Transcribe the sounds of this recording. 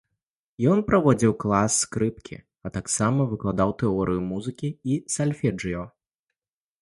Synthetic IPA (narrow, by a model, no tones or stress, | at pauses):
jɔnpɾavɔd͡zʲiwklˠasːkɾɨp̚kʲḭ | ɐt̪aksamɐvɨklˠad̪awt̪ɛɔɾʔɨjumuzɨkʲiisalʲfʲɛd͡ʐɨjɔ